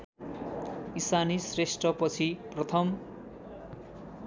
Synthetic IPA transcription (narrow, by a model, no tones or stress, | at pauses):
isanisresʈrʌpʌt͡sʰiprʌt̪ʰʌm